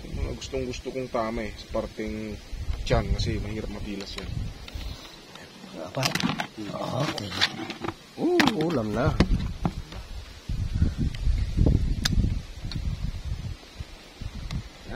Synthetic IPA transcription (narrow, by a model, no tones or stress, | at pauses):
ɐŋmɐŋa̰ɡʊst̪oŋɡʊst̪okoŋt̪aːmaʔɛsɐ̥paɾt̪ɛŋt͡ʃankɐsɛmɐhiːɾɐp̚mɐpiːlɐsjan | ʔapat̪ | oke | ʔoʔuːlɐmnalmna